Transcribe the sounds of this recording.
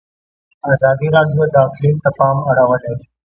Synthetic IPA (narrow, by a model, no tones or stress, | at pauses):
aːzaːd̪iːɾaːɖijoːd̪aːxɪliːnt̪ɐpaːmɐɽəʋəleː